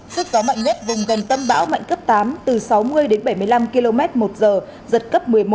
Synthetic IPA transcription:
sɨ˦˥k̚kɔ˨˦ma̰˧˨ŋ̟ɲɛ˦˥t̚vʊ˨˩ŋ͡mɣə˨˩nt̪ə˧nɓa̰ː˧˥wma̰˧˨ŋ̟kə˦˥p̚t̪aː˨˦mt̪ɨ˨˩sa˨˦wmɨ˧əjɗe˨˦nɓə˧˩jmɨ˧˩əjla˧mki˧lo˧mɛ˦˥t̚mo˨˩t̚zəː˨˩ | zə˨˩t̚kə˦˥p̚mɨ˨˩əjmo˦

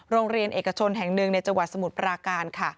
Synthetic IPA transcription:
ɾoː˧ŋɾi˧ənʔeː˨˩ka˧t͡ɕʰo˧nɦɛ˨˩ŋnɯ˨˩ŋna˧jt͡ɕa˧ŋwa˨˩t̪̚sa˧mu˨˩t̪̚pɾaː˧kaː˧nkʰa˥˩

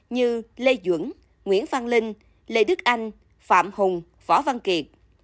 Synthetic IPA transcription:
ɲɨ˧le˧zwə̰˧˩ŋ | ŋwḭ˧˥ənvaː˧nlï˧ŋ̟ | le˧ɗɨ˦˥k̚ʔa˧jŋ̟ | fa̰ː˧˨mhʊ˨˩ŋ͡m | vɔ˧˦va˧nki˨˩ət̚

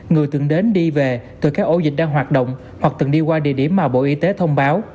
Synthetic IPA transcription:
ŋɨ˨˩əjt̪ɨ̰˧˩əŋɗe˨˦nɗi˧ve˨˩t̪ɨː˨˩kaː˦˥k̚ʔo˧˦zï˨˩k̟̚ɗaː˧ŋɦwaː˨˩t̚ɗə̰˧˨wŋ͡m | hwa˨˩k̚t̪ɨ˨˩ŋɗi˧kwaː˧ɗḭ˧˨əɗi˧˩əmːaː˨˩ɓo̰˧˨ʔi˨˦t̪e˨˦t̪ʰə˧wŋ͡mɓaː˨˦w

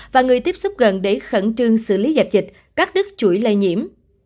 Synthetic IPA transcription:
vaː˨˩ŋɨ˨˩əjt̪i˦˥p̚sʊ˦˥k͡p̚ɣə˨˩nɗe˧˩xə̰˧˩nt͡ɕɨ˧əŋsɨ̰˧˨li˨˦za˨˩p̚zï˨˩k̚ | kaː˦˥k̚ɗɨ˦˥k̚t͡ɕu˧˩əjlə˧jɲḭ˧˥əm

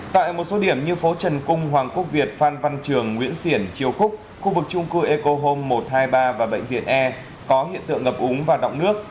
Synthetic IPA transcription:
t̪a̰ː˧˨jmo˨˩t̚so˨˦ɗi˧˩əmɲɨ˧fo˨˦t͡ɕə˨˩nkʊ˧ŋ͡mɦwaː˨˩ŋku˦˥ək̚vi˨˩ət̚faː˧nva˧nt͡ɕɨ˨˩əŋːwḭ˧˥ənsi˧˩ənt͡ɕi˨˩əwxʊ˦˥k͡p̚ | xu˧vɨ˨˩k̚t͡ɕʊ˧ŋ͡mkɨ˧ʔe˧ko˧ɦo˧mːo˨˩t̚haː˧jɓaː˧vaː˨˩ɓə̰˧˨jŋ̟vḭ˧˨ənʔɛ˧ | kɔ˨˦ɦḭ˧˨ənt̪ɨ̰˧˨əŋɣə˨˩p̚ʔʊ˨˦ŋ͡mvaː˨˩wɗɔ̰˧˨wŋ͡mnɨ˦˥ək̚

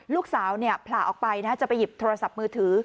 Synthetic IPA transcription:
luː˥˩k̚saː˩˦wni˥˩ɐpʰlaː˨˩ʔɔ̰ː˨˩k̚pa˧jnaː˥˩t͡ɕa˨˩ʔpa˧ji˨˩p̚t̪ʰoː˧ɾa˧sa˨˩p̚mɯː˧t̪ʰɯː˩˦

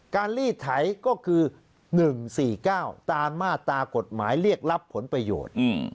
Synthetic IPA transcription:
kaː˧nliː˥˩t̪ʰa˩˦jkɔː˥˩kʰɯː˧ | nɯ˨˩ŋsiː˨˩kaː˥˩wt̪aː˧maː˥˩t̪aː˧ko˨˩t̪̚maː˩˦jɾi˥˩ək̚la˦˥pʰːo˩˦npɾa˧jo̰ː˨˩t̪̚ː

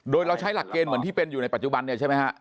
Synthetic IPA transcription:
ɗoː˧jɾa˧wt͡ɕʰa˦˥jla˨˩kːeː˧nmɯ˩˦ənt̪iː˥˩pe˧njuː˨˩a˧jpa˨˩t͡ɕu˨˩ɓa˧nːi˥˩t͡ɕʰa˥˩ma˦˥kʰa˦˥ʔ

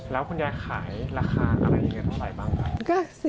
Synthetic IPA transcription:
lɛː˦˥wkʰu˧njaː˦˥kʰaː˩˦jɾaː˧xʰaː˧ʔa̰˧ɾa˧jʔa˧ŋːa˧nt̪ʰa˥˩saː˨˩˦jbaː˥˩ŋka˨˩ka˥˩s

